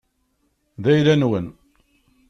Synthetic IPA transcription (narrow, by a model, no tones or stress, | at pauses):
ðæjɾænwən